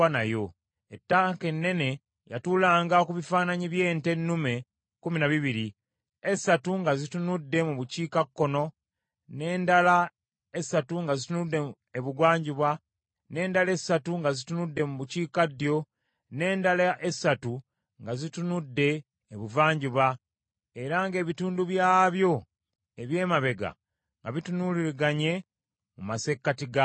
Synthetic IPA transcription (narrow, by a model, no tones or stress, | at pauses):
anajo̞ | etːaŋke̞nːe̞ne̞ | ja̰tuːlaːŋɡakuβifaːnaɲiβje̞ːnte̞nːume̞ | kuminaβiβiɾi | esatuŋɡazitunudːe̞muβuciːkakːo̞no̞ | ne̞ːndala | e̞sːatuŋɡazitunudːe̞ | eβuɡwaːɲɟiβwa | ne̞ːndale̞satuŋɡazitunudːe̞muβuciːkadːjo̞ | ne̞ːndalaʔesatu | ŋɡazitunudːe̞ː | βuvaːɲɟiβwa | e̞ɾaŋɡe̞ːβituːnduβjaːβjo̞ | eβje̞ːmaβe̞ɡa̰ | ŋɡaβitunuːliɾiɡaɲe̞ | mumase̞kːatiɡa